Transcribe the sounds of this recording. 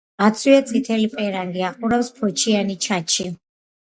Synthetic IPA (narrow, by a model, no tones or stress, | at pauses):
at̪sʰwiat̪sʼit̪ʰɛlipʼɛɾaŋɡiaqʼuɾafspʰɔt͡ʃʰianit͡ʃʰat͡ʃʰi